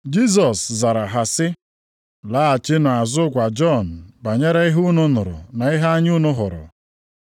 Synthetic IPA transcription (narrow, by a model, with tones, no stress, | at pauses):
d͡ʒi˦s̬ɔ˨sza˨ɾa˨ɦa˨sɪ˦ | la˦a˨t͡ʃɪ˦nʊ˨a˨zʊ˦kʷa˨d͡ʒɔ˦n̩˨ba˨ɲe˦ɾa˦i˦ɦu˦nʊ˦nʊ˨ɾʊ̰˨na˨i˦ɦa˦ɲ˦u˦nʊ˦ɦʊ̰˨ɾʊ̰˨